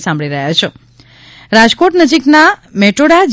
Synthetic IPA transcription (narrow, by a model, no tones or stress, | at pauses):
sãmbʱɭiɾəɦjat͡ʃʰe | ɾad͡ʒkoʈnəd͡ʒiknameʈoɽad͡ʒ